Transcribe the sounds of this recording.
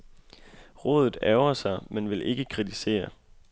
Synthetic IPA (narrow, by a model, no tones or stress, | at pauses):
ʁɔ̽ːð̞ˠð̩ˠæʊɐsɑ̈ɪmenʋe̝lʔe̝ɡ̥əkʰʁit͡sʰise̝̰ːɐ